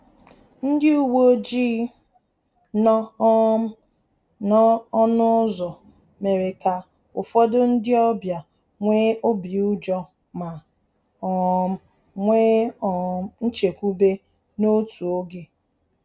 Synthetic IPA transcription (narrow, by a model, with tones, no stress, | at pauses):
n̩˦dɪ˦u˦wo˦d͡ʒiː˦ | nɔ˦ | nɔ˦ɔ˦nʊ˦zɔ˨ | me˨ɾe˨ka˨ | ʊ˨fɔ˦dʊ˦n̩˦dɪ˦ɔ˦bja˨ | ŋʷeː˦ʔo˦bi˨u˦d͡ʒɔ˦ | ma˨ | ɔ˨m̩˦ | ŋʷeː˦ɔ˨n̩˦t͡ʃe˨kʷu˦be˦ | no˦tu˨o˦ɡe˨